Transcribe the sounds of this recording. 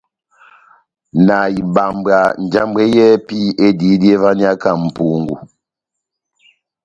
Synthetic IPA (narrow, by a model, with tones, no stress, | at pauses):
na˨i˨ba˨mba˨n˨d͡ʒa˦mbɛ˦jɛ˦pi˦ʔe˦di˨˦di˦e˦va˦ni˦a˦ka˦˨m̩˨pu˦ŋɡṵ˨